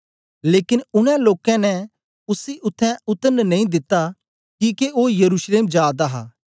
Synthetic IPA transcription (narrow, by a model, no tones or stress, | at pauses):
leːkɪnʊñɛ̃loːkɛ̃nɛ̃ | ʊsiʔʊt̪ʰːɛ̃ʊt̪ənnɐĩd̪ɪt̪ːa | kiːkeʔoːjɐɾuːʃleːmd͡ʒjaːd̪aɦa̰ː